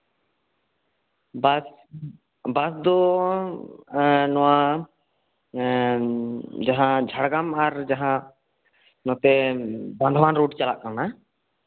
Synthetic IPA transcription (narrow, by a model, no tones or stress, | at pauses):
bs | basd̪ɔ | nɔwa | d͡ʒaɦãd͡ʒʱaɽɡamaɾd͡ʒaɦã | nɔ̃t̪ɛband̪ʱbanɾoɖt͡ʃalaʔkana